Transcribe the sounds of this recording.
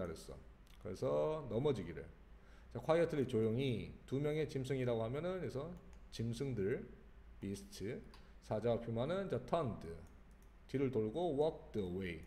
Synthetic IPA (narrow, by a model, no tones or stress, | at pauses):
aɾjes͈ʌ | kɯɾe̞sʰʌnʌmʌd͡ʑiɡiɾɯ̰ɭ | t͡ɕakʰwajʌtʰɯɾit͡ɕojoŋitumjʌŋe̞t͡ɕimsʰɯŋiɾaɡoɦamjʌnɯnesʰʌt͡ɕimsʰɯŋdɯɭ | pisʰɯ̥tʰɯ | sʰad͡ʑapʰjumanɯnd͡ʑʌtʰʌndɯ | tiɾɯɭtoɭɡowʌk̚dɯwei